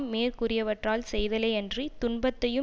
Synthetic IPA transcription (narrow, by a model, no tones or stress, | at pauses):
mmeːrkʊrɪjɐʋɐʈraːlsɛjðɐlɐːɛndrit̪ʊnbɐt̪ːɐjɯ